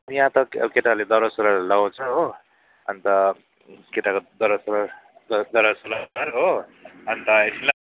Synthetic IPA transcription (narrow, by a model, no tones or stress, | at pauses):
jãt̪ʌkeʈaled̪ʌɾʌsoɾʌlaõt͡sʰʌɦo | ʌnt̪ʌ | keʈakod̪ʌɾʌsoɾʌd̪ʌɾʌsoɾaaɾɦoʌnt̪ʌesila